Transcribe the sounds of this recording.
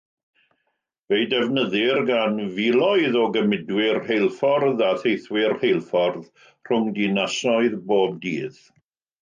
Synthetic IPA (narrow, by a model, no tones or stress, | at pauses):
vejdɛvnəðɪrɡanvilˠɔɨðɔɡəmɪdwɪrhejlˠfɔrðaθejθwɪrhejlˠfɔrð | r̥ʊŋdinasɔɨðboːb̚diːð